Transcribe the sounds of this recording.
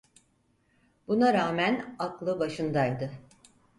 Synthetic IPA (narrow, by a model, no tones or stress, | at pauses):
bunaɾaːmænaklˠɯbaʃɯnd̪ajd̪ɯ